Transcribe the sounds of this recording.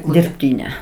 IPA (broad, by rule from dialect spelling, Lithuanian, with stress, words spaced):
dʲɪrʲpʲˈtʲiːnʲɛ